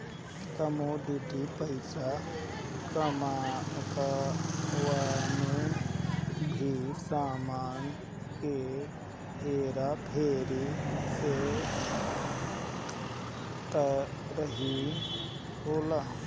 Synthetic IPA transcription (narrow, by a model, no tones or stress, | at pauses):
k̪ɐmoɖ̪uʈipəɪsa | kəmaːnka | ʋaːnu | bʱisaːmaːn | ke | ɦeːɾapʰeːɾise | t̪ɐ | ɾəɦi | ɦoːla